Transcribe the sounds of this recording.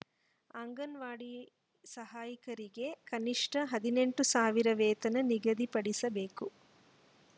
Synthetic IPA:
ɐŋɡɐnʋaːɽi | sɐɦaːjikɐɾiɡe̞kɐniʂʈɐɦɐd̪ine̞ɳʈusaːʋiɾɐʋɛːt̪ɐnɐniɡɐd̪ipɐɽisɐbeːku

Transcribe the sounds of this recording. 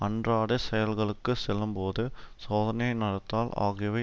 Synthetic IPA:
ɐndraːɽɯsɛjɐlɣɐɭɯkːɯsɛlːɯmpoːðɯsoːðɐnɐjɐɪnɐɽɐt̪ːaːla̰ːɣɪʋɐɪ

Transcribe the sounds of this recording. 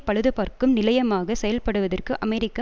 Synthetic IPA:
pɐɻɯðɯpaːɾkɯmnɪlɐjɐmaːɣɐsɛjɐlpɐɽɯʋɐðɐrkɯʔɐmɛɾɪkːɐ

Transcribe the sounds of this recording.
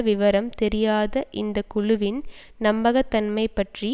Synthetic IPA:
ʋɪʋɐɾɐmt̪ɛɾɪjaːðɐʔɪnd̪ɐkʊɻʊʋɪn | nɐmbɐɣɐt̪ːɐnmɐɪpːɐʈri

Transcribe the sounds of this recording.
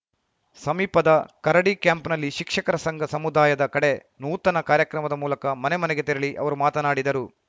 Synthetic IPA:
sɐmiːpɐd̪ɐkɐɾɐɽikjaːmpnɐlːiʃikʂɐkɐɾɐsɐŋɡʱɐsɐmud̪aːjɐd̪ɐkɐɽe̞ | nuːt̪ɐnɐkaːɾjɐkɾɐmɐd̪ɐmuːlɐkɐmɐnemɐnɛɡe̞t̪iɾɐɭiʔɐ̰ʋɐɾumaːt̪ɐnaːɽid̪ɐɾu

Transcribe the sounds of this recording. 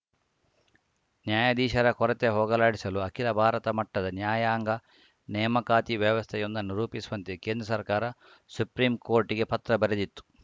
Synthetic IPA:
njaːjɐd̪iːʃɐɾɐkɔɾɐt̪eɦɔːɡɐlaːɽisɐluɐkilɐbʱaːɾɐt̪ɐmɐʈːɐd̪ɐnjaːjaːŋɡɐ | nɛːmɐkaːt̪iʋjɛʋɐst̪ʰɛjond̪ɐnːuɾuːpisuʋɐnt̪ekeːnd̪ɾɐsɐɾkaːɾɐ | supɾiːmkoːɾʈiɡe̞pɐt̪ɾɐbɐɾed̪it̪ːu̥

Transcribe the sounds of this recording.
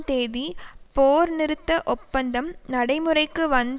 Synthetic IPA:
t̪eːðipoːɾnɪɾɯt̪ːɐʔɔpːɐnd̪ɐmnɐɽɐɪmɯrɐɪkːɯʋɐnd̪

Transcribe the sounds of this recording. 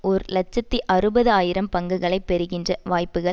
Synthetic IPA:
ɔɾlɐt͡ʃːɐt̪ːiʔɐrɯbɐðɯaːjɪɾɐmpɐŋɡɯɣɐɭɐɪpːɛɾɯɣɪndrɐʋaːjpːɯɣɐ

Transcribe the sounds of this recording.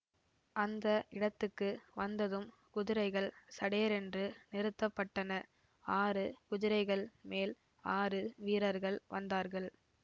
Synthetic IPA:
ʔɐnd̪ɐʔɪɽɐt̪ːɯkːɯʋɐnd̪ɐðɯm | kʊðɪɾɐɪɣɐɭsɐɽeːɐɾɛndrɯnɪɾɯt̪ːɐpːɐʈːɐnɐ | aːɾɯkʊðɪɾɐɪɣɐɭmeːl | aːrɯʋiːɾɐɾɣɐɭʋɐ̰nd̪aːɾɣɐɭ

